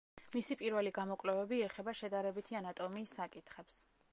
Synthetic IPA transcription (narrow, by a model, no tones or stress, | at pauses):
misipʼiɾvɛliɡamɔkʼlɛvɛbiɛχɛbaʃɛd̪aɾɛbit̪ʰianat̪ʼɔmiːsːakʼit̪ʰχɛps